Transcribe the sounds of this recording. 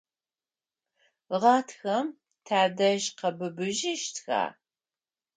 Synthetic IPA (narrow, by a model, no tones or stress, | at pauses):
ʁɑːtʰxɐm | tʰaːdɐʒqɐbɨbɨʒɪʃtʰxa̰ː